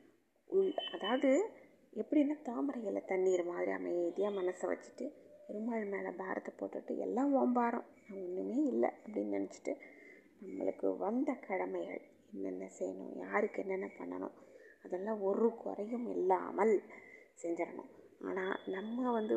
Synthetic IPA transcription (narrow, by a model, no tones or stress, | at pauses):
ʊɭɐðaːʋɐðɯ | ɛpːɐɽinːaːt̪aːmɐɾɐjɪlːɐ̰t̪ɐnːiːɾɐmaːðɪɾḭɐ̰mːɐjðɪjaːmɐnɐsɐʋɐ̰t͡ʃːɯ̥ʈːɯɛɾɯmaːɻɯmeːlɐ̰baːɾʔɐ̰t̪ːɐpoːʈːɯʈːɯ̰ɛ̰lːãːʋoːmbaːɾʊ̰̃nãːɔnːɯmeːɪlːɐ̰ɐpːɐɽinːnɪnɛt͡ʃːɯ̥ʈːɯ | nɐmːɐ̰ɭɯkːɯ̰ʋɐnd̪ɐkɐɽɐmɐjɣɐ̰ɭ | ɛnːɛ̰nːɐsɛjɐnʊ̰̃ja̰ːɾɯkːɯɛnːɛnːɐpɐɳːɐ̰nʊ̰̃ɐðɛlːãːɔɾɯkʊ̰ɾɐjɯmɛlːa̰ːmɐlsɛɲd͡ʒɪɾɐnʊ̰̃a̰ːnaːnɐmːɐʋɐnd̪ɯ